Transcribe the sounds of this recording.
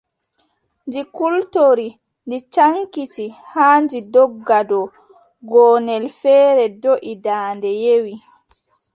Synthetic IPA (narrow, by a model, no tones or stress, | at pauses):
nd͡ʒikultoɾi | ndit͡ʃaŋkitihaːnd͡ʒidɔɡːadɔ | ɡɔːnɛlfɛːɾɛdoʔidaːndɛjewi